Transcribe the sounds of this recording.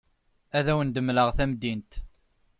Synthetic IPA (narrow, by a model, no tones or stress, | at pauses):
æðæwənd̪əmləʁθæmd̪int̪